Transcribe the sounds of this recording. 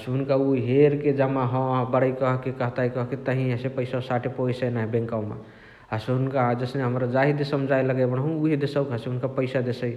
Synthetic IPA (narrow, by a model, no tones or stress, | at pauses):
əsɦunkauɦeɾked͡ʒamaɦɔ̃bəɽəikəɦkekəɦt̪aikəɦket̪əɦĩɦəsepəjsasaʈʰepoisənaɦibẽŋkawmḛ | aseɦunkad͡ʒəsneɦəmɾad͡ʒaɦid̪esəmd͡ʒʱajləɡəbəɽ̃ɦũuɦid̪esəbkɦəseɦunkapəɪsad̪esəj